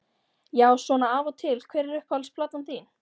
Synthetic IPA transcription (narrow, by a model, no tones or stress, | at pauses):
jaːwsvɔːnaavɔt̪ʰɪlkʰvɛːɾɪɾʏhpvalspʰlat̪nanmθiːn